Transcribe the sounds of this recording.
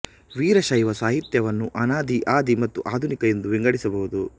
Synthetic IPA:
ʋiːɾɐʃɐjʋɐsaːɦit̪jɐʋɐnːuʔɐnaːd̪iʔaːd̪imɐt̪ːuʔaːd̪ʱunikɐjind̪uʋiŋɡɐɽisɐbɐʋud̪u

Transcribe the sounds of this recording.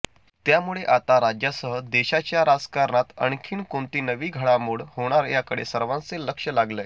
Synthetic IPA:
t̪jamuɭeʔat̪aɾad͡ʑjasəɦəd̪eɕat͡ɕjaɾad͡zkaɾɳat̪ə̰ɳkʰiːɳkõnt̪iːnəʋiːɡʱəɽamuɽhoɽ̃aɾjakəɽḛsəɾʋãnt͡seləkʂəlaɡlə

